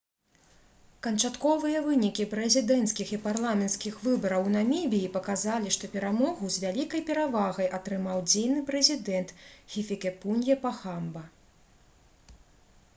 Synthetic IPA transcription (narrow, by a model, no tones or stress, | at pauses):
kɐnt͡ʂat̪kɔvɨjɐvɨnʲikʲipɾɛzʲid̪ɛnt̪skʲixiparlˠamʲɛnt̪skʲixvɨbɐɾɐwnɐmʲibʲijipɐkazalʲiʂt̪ɔpʲɛɾamɔɣuzvʲalʲikɐjpʲɛɾavaɣɐjʔɐt̪ɾɨmawd͡zʲejnɨpɾɛzʲid̪ɛnt̪ɣʲifʲikʲɛpunʲjɛpaxambɐ